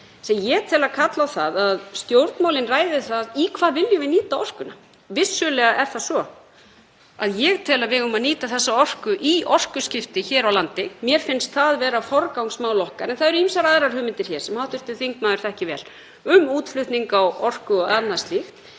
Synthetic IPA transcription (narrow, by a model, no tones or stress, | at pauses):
sɛjɛt̪ʰɪlaðkʰat̪lawθaðaðst̪jowɾt̪nmawlɪnraːjðɪθaðikʰvaːðvɪljʏvɪniːt̪aɔr̥kʏna | vɪsːʏlɛɣaʔɛɾ̥θasvɔ | a̰ðjɛɣt̪ʰɪlaðvɪɣʏmaðniːt̪aθɛsːaɔr̥kʏʔiɔr̥kʏscɪft̪ɪçɛːɾawlant̪ɪmjɛɾ̥fɪnst̪θaðvɛːɾafɔɾkawŋsmaːwlɔhkaɾɛnθaðɛɾʏimsaɾaðɾaɾ̥hʏːmɪnt̪ɪɾ̥çɛ̥sɛmhawht̪ʏɾ̥t̪ʏθiŋkmaːðʏɾ̥θɛhcɪvɛ̰ːl | ʏmuːt̪flʏht̪niŋkawɔr̥kʏɔɣaðnast̪lixt̪